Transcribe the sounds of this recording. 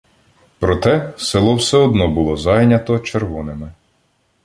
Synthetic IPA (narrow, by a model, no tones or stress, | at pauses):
pɾɔt̪ɛselˠɔwsɛɔd̪nɔbʊlˠɔzɑjnʲɐt̪ɔt͡ʃeɾʋɔnɪmɪ